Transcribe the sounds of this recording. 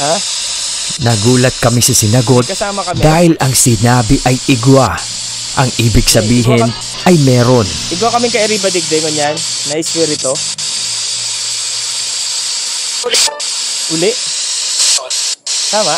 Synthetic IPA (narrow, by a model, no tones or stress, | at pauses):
ha | nɐɡuːlɐt̪̚kɐmɪsɐsɪnɐɡo̞d̪kɐsaːmɐkɐmd̪aːhɪlɐŋsɪnaːbɪʔɐjʔɪɡwa | ʔɐŋʔiːbɪɡsɐbiːɦɪn | ɐjmɛːɾo̞nʔɪɡwakɐmɪŋkɐʔɪɾibɐd̪ɪɡ̚d̪ɛŋʊɲanːɐɪswɛɾɪt̪o | lɛ | ʔʊlɛʔ | t̪aːmɐ